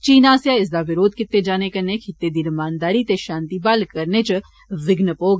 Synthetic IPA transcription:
t͡ʃiːnaːsjaɪs̬d̪aʋɪɾoːd̪kɪt̪ːed͡ʒaːnekɐnekʰɪt̪ːed̪iːɾəmaːnd̪aːɾit̪eʃãːnt̪ibaːlkəɾnet͡ʃ | ʋɪɡnəpoːɡ

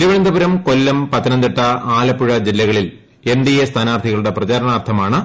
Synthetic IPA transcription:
iɾuʋend̪ɐbuɾɐmko̞lːɐmpɐt̪ːɐnɐnd̪eʈːɐaːlɐpːuɻɐd͡ʑilːɐɣɐɭil | e̞nd̪ijest̪ʰaːnaːrt̪ʰiɣɐɭuɽe̞prɐt͡ɕaːɾɐnaːrt̪ʰɐmaːɳɨ

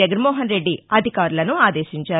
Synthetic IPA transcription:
ɛɡɐnmɔːɦɐnɾe̞ɖːiɐd̪ʱikaːɾulɐnuaːd̪e̞ːʃiɲt͡ʃaː

